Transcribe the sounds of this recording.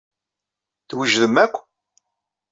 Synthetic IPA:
θwəʒðəmækʷː

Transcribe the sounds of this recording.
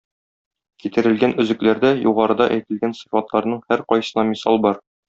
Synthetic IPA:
kit̪ɘ̆ɾɘ̆lɡænɵ̆zɘ̆klæɾd̪æjuʁɑɾɤ̆d̪ɑʔæjt̪ɘ̆lɡænsifɑt̪lˠɑɾnɤɴhæɾqɒjsɤ̆nɑmisɑlˠbɒɾ

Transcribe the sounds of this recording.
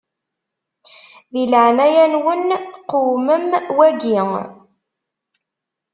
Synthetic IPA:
ðilʕnæjænwənqʊwməmwæɡiŋ

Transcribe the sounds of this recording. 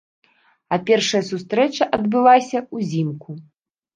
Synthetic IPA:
ɐpʲɛrʂɐjɐsust̪ɾɛt͡ʂɐʔɐd̪bɨlˠasʲɐuzʲimkʰu

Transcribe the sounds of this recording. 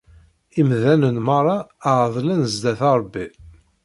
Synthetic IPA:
imðænənmɑɾˤɑʕðˤlænzd̪æθɑɾˤbːi

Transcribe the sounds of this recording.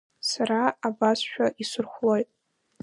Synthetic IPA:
saɾaabasʃᶣaʔisʊrχʷlo̞jtʼ

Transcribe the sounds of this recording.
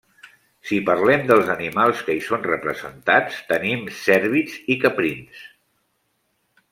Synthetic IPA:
sipəɾlɛmd̪əlˠzənimalˠskəisonrəpɾəzə̰nt̪at͡st̪ənimsɛɾβizikəpɾins

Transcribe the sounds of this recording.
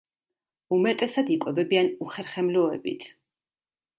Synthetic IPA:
umɛt̪ʼɛsad̪ikʼwɛvɛbianuχɛɾχɛmlɔɛbḭt̪ʰ

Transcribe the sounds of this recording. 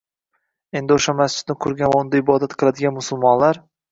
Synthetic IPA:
e̞nd̪ɪoʃamast͡ʃɪd̪nɪkʰʊɾɡʲanvaʊnd̪aɪbɒd̪at̪qʰɨlˠad̪ɪɡʲanmʊsʊlˠmɒnlaɾ

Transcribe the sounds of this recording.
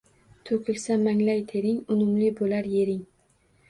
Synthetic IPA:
t̪ʰokʲʰɪlsamaŋlajt̪ʰeɾɪŋʊmʊmlɪbolaɾjeɾɪŋ

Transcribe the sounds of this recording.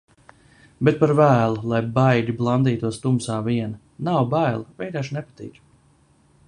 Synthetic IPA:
bɛt̪̚paɾvæːlˠulˠajbajdʲiblˠand̪iːt̪uɔst̪umsaːviɛn | nawbajlˠavɛjd̪aːʃnɛpat̪ḭːk

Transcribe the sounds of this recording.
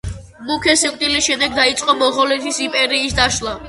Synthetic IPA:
mukʰɛsiqʼt̪ʼilisʃɛd̪ɛɡ̚d̪ait̪sʼqʼɔmɔʁɔlɛt̪ʰisimpʼɛɾiːsd̪aʃlˠa

